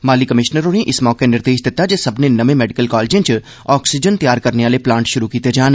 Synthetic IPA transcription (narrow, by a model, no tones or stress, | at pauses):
maːlikɐmɪʃnəɾonẽʔɪsmɔːkenɪɾd̪eːʃd̪ɪt̪ad͡ʒɐsɐbnenɐʋẽmɛːɖɪkəlkɔːlːd͡ʒẽt͡ʃ | ɔːksɪd͡ʒənt̪jaːɾkɐɾneʋaːleplãːɳʈʃʊɾukiːt̪ed͡ʒaːn